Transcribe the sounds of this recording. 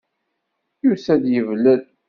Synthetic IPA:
jusæðjəvlæl

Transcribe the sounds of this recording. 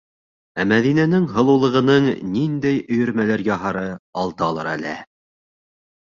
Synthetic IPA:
æmæðinænɘŋɦɤ̆lˠɤ̆wlˠɤ̆ʁɤ̆nɤɴnind̪æjɵ̆jɵ̆ɾmælæɾjɑɦɑɾɤɑlˠt̪ɤɑːlˠɤ̰ɾæ̰læ̰

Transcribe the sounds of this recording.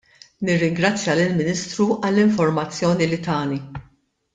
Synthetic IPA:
nɪrːɪŋɡɾɐt͡sːjɐlɪlmɪniːst̪ɾuʔɐlːɪɱfɔɾmɐt͡sːjɔːnilɪt̪ɐːni

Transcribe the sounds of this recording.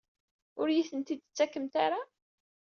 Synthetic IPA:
ʊɾjiθənt̪id̪ət͡sːækːəmt̪aɾa

